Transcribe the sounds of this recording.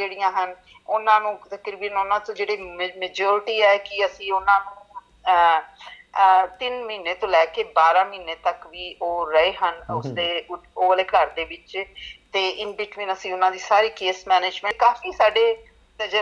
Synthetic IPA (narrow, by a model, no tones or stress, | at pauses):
d͡ʒeːɽijãːɦən | ʊnãːnũːt̪əkɾiːbənʊnãːt̪õːd͡ʒeːɽeːmmeːd͡ʒoːɾʈiːɛːkɪəsĩːʊnãːnũː | t̪ɪnməiːnːeːt̪õːlɛːkeːbaːɾãːmiːnːeːt̪əkʋiːʔoːɾəeːɦənʊ̰sd̪eːoːəleːkəɾd̪eːʋɪt͡ʃt̪eːʔɪnbɪʈʋĩːnəsĩːʊnãːd̪iːsaːɾiːkeːsmɛːneːd͡ʒmɛ̃ːkaːfiːsaːɖeː | t̪əd͡ʒə